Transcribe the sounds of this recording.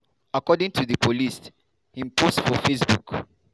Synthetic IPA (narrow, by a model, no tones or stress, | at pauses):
akɔdĩŋtʰuðəpʰolis | hĩmpʰostfɔfesbuk